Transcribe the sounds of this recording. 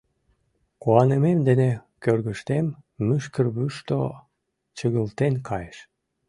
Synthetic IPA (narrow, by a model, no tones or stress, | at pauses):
kuɑnememd̪enekørɣəʃt̪emːyʃkərβyʃt̪o | t͡ɕəɣəlt̪enkʰɑjeʃ